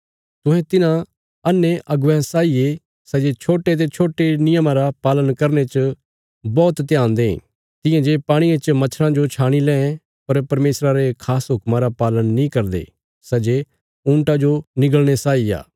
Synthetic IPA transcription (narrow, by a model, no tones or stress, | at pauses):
t̪ʊ̃ɦɛ̃t̪ɪnã | ɐnːeʔɐɡʋɛ̃saːije | sɐd͡ʒet͡ʃʰoːʈet̪̬et͡ʃʰoːʈenɪjəmãɾapaːlənkɐɾñet͡ʃ | bɔːt̪t̪ɪjãːnd̪eɦ | t̪ɪ̃jãd͡ʒepaːɽ̃iẽt͡ʃmɐt͡ʃʰɾãd͡ʒot͡ʃʰaːɽ̃ilɛ̃ɛ̃ | pɐɾpɐɾmeːsɾaɾekʰaːsɦʊkmãɾapaːlənːĩkɐɾd̪ḛː | sɐd͡ʒe | ũːɳʈad͡ʒonɪɡəlɽ̃esaːija̰ː